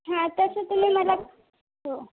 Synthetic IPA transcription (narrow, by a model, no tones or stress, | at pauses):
ɦãt̪əsət̪um̤iːməla | ɦo